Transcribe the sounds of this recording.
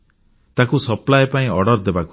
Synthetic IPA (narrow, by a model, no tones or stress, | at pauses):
t̪akusɔplajpaĩɔɽɔɾd̪ebaku̥